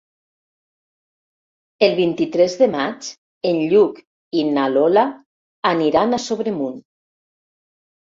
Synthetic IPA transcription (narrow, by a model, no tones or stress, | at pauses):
elˠβ̞int̪it̪ɾɛzðemat͡ʃ | enʎuk | inalolaː | niɾanasoβɾemun